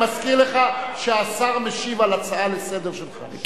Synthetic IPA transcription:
maskiʁleχaʃeasaʁmeʃivalat͡saalesɛd̪eʁʃelχa̰

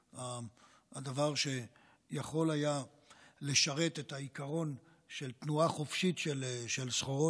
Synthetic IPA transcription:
aː | davaʁʃe̞ | jaχo̞laja | le̞ʃaʁe̞tetaikaʁo̞n | ʃe̞lt̪nuaχo̞fʃitʃelʃelsχoʁo

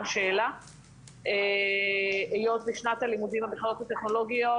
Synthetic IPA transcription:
ʃeela | ʔe | ejo̞t̪liʃnat̪alimud̪imabeχaʁo̞t̪hat̪eχno̞lo̞ɡijo

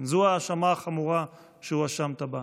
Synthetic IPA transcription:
zuaːʃamaχamuʁa | ʃeuaʃamt̪aba

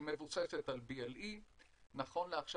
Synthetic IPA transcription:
mevuseset̪albielʔi | naχo̞nleaχʃ

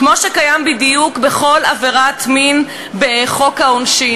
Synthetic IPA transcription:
kmo̞ʃekajambidijukbeχo̞laveʁatmin | beχo̞khaonʃi

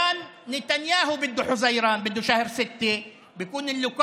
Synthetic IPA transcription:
anːɪt̪anjaːɦʊbɪd̪ːuħʊzajɾˤɑːnbɪd̪ːuʃahɾsɪt̪ːe | bjɪkuːnɪlːʊk

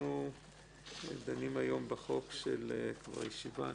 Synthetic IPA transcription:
u | ed̪animajo̞mbeχo̞kʃḛlkva̰ʁjeʃiva̰

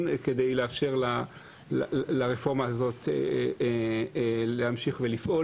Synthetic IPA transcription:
nked̪ejleafʃe̞ʁla | llaʁefo̞ʁmaːzo̞t̪ | lehamʃiχvelifʔo̞

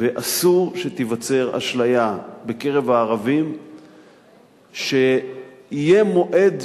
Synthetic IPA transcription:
veʔasuʃet̪ivat͡se̞ʁa̰ʃlajabe̞ke̞ʁe̞vaːʁavim | ʃe̞ijemo̞ʔe̞d̪

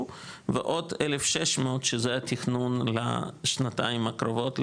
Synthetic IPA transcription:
vḛʔot̪elefʃeʃmeot̪ʃezeat̪ixnunla̰ʃnat̪aimakɾovot̪l

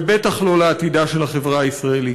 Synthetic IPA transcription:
bet̪aχlo̞laːt̪idaʃe̞lhaχevʁaaisʁaeli

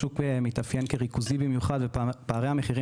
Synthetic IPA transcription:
ukbemit̪afjenkeʁikuzibimjuχad̪vepaːʁejhameχiʁi

